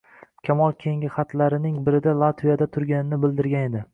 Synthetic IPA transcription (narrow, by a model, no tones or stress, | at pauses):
kʲʰamɒlˠkʲʰe̞ŋʲɪχat̪ʰlaɾɪnɪŋbɪɾɪd̪alˠat̪vijad̪at̪ʰʊɾɡʲanɪnɪbɪld̪ɪɾɡʲane̞d̪ɪ